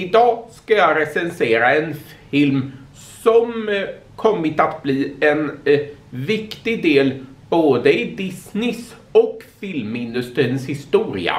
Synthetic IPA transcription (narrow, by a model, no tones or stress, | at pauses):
ɪd̪ɑːskajɑɾɛsɛnseːɾaɛnf | ɪlm | sɔm | kʰɔmːɪt̪at̪bliːɛn | vɪkt̪ɪɡd̪eːl | boːd̪əɪd̪ɪsnɪs | ɔkfɪlmɪnd̪ɵst̪ɾiːnshɪst̪uːɾɪ̰a̰